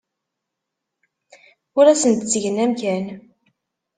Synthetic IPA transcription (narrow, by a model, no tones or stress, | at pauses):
ʊɾæsənt̪ət͡sːʝənæmçæn